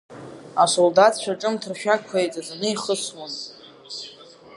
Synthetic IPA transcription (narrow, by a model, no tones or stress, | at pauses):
asoldatʰt͡ʃʷᶣaʈ͡ʂʼɨmtʰɨrʃᶣakʷʰajt͡sʼazanɨiχəswan